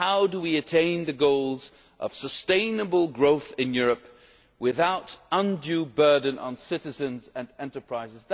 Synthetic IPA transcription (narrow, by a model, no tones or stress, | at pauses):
haʊdəwiɨtʰẽɪ̃nðɨɡoʊlˠz | ʔʌ̰v̥səstẽɪ̃nəbəl̩ˠɡɹoʊθɨ̃njʊɹɨp | wɪðaʊɾə̃ndjʉbɜ˞dⁿn̩ʔə̰̃nsɪɾɨzɨ̃nzɨ̃nɛ̃ntə˞pʰɹ̥aɪzɨzð